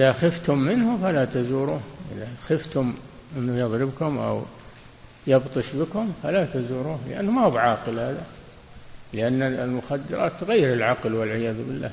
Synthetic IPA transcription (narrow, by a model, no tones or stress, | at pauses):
ʔɪðaxɪft̪ʊmːɪnhʊfalat̪azuːɾuːhʔɪ̰ðaxɪft̪ʊmʔɪnːʊjɑðˤɾɪbkʊmʔa̰w | jɑbt̪ˤɨʃbɪkʊmfalat̪azuːɾuːhlɪ̰ʔa̰nːʊmahuːbʕɑːqɪlhaːða | lɪʔanːalmʊxad̪ːɪ̰ɾˤɑ̰ːt̪ːɣajːɪɾɪlʕɑqlwɪlʕɪjaːðbɪlːa̰